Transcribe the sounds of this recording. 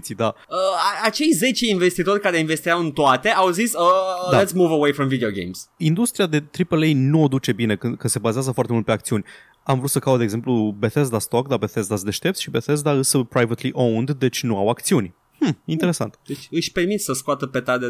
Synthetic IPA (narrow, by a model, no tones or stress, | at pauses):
sid̪a | əaat͡ʃe̞jze̞t͡ʃe̞inve̞st̪it̪o̞rʲkaɾe̞inve̞st̪iawɨnt̪oat̪e̞awzisəd̪alɛt̪smuvəwejfɾɔ̃mvid̪eoɡḛjmsind̪ust̪ɾiad̪e̞t̪ɾipəlejnuod̪ut͡ʃe̞bine̞kɨnd̪kəse̞bazeazəfoaɾrt̪eult̪pe̞akt̪siunʲ | amvɾut̪səkawt̪d̪eɡze̞mplube̞θez̬d̪ast̪o̞k̚d̪abe̞θezd̪asd̪e̞ʃt̪e̞p̚t̪ʃibe̞θez̬d̪aɨsəpɾajvət̪liʔownd̪d̪e̞t͡ʃʲnuawakt̪siunʲ | hm̩int̪e̞ɾe̞sa̰nt̪d̪et͡ʃɨʃpe̞rmit̪səskoat̪əpe̞t̪ad̪e